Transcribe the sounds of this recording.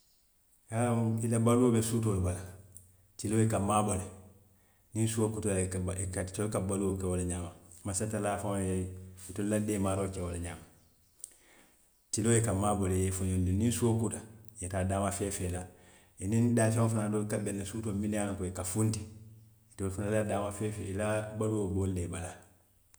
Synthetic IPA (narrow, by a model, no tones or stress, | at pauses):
kailabaluobesuːt̬obala | tilojekamaːbole | ninsuwokutakkatokabaluwokewolaɲaːmamasatːalaːfajeitolademaɾokewolaɲaːma | tilojekamaːbolejefuɲondininsuwokutajetadaːmafeːfela | inindaːsafanadoːkabɛnːasutomidankoekafunti | itofunaladaːmafefeilabaluwoboldebala